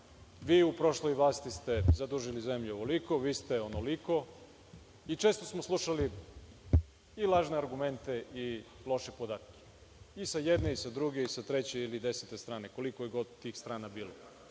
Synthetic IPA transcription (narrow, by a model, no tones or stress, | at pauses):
ʋiːupɾo̞ʃlˠojʋlˠaːst̪ist̪e̞zad̪uʒilize̞mʎuoʋoliko̞ʋiːst̪e̞onoliko̞ | it͡ʃeːst̪o̞smoslˠuʃali | ilˠaːʒneaɾɡume̞nt̪e̞ʔilˠo̞ʃepo̞d̪aːt̪kʲe̥ | isajed̪ne̞isad̪ɾuɡe̞isat̪ɾet͡ɕeilid̪eset̪est̪ɾaːneko̞liko̞jeɡo̞d̪t̪ːiːxst̪ɾaːnabiːlo